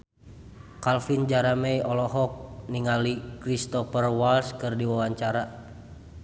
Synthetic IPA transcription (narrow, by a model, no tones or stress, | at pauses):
kalfind͡ʒaɾamɛjɔlɔɦɔk̚niŋalikɾist̪ɔfərwalskɨrdiwawaɲt͡ʃaɾa